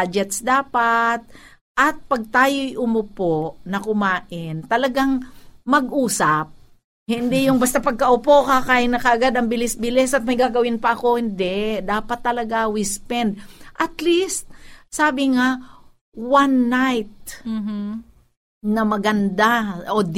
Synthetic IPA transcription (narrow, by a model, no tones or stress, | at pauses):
ad͡ʒɛt̪sd̪aːpat̪̚ | ʔɐt̪̚pɐɡ̚t̪aːjojʔʊmʊpoʔnɐkʊmaːʔɪnt̪ɐlɐɡaŋmɐɡʔuːsap̚ | hɪnd̪ɛjʊŋbɐst̪apɐɡ̚kɐʔʊpo̞kakaːʔɪnɐkɐʔɐɡad̪ɐmbɪlɪsbɪlɛsɐt̪̚mɐjɡaːɡɐwɪnpɐʔɐko̞hɪnd̪ɛd̪aːpɐt̪ːɐlɐɡawispɛnd̪̚ʔɐt̪list̪̚saːbɪŋa | wanːajt̪̚ː | nɐmɐɡɐnd̪aod̪